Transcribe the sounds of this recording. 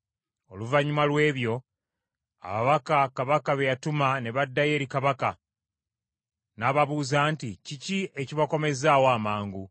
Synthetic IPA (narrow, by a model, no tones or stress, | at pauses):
o̞̰luvaɲumalwe̞ːβjo̞ | a̰βaβakakaβakaβejatumane̞βadːaje̞ːɾikaβaka | naːβaβuːzaːnticicie̞ciβako̞me̞zaːwoamaːŋɡu